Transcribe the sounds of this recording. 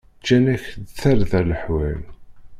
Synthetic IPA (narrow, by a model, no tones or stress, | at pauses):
t͡ʃːænæçd̪θæɾðæləħwæn